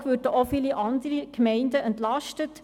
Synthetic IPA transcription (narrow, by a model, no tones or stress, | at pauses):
ʋøːɾdəʔofiːliʔɑnd̪əɾikmɛɪndəɛntlɑʃtət